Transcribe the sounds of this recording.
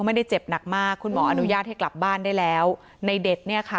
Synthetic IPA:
ma˥˩jda˥˩jt͡ɕe˨˩p̚na˨˩k̚maː˥˩kʰːu˧nmɔː˩˦ʔa˧nu˦˥jaː˥˩t̪̚ha˥˩jkla˨˩p̚baː˥˩ndaː˥˩jlɛː˦˥w | na˧jde˨˩t̪̚ni˥˩ɐkʰa˥˩

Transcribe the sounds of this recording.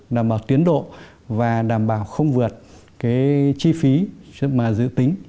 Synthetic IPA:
ɗaː˨˩mɓaː˨˩wt̪i˨˦ənɗo̰˧˨ | vaː˨˩ɗaː˧˩mɓaː˧˩wxə˧wŋ͡mvɨ˨˩ət̚ | kaː˨˦jt͡ɕi˧fi˨˦maː˨˩zɨ̰˧˨t̪ï˨˦ŋ̟

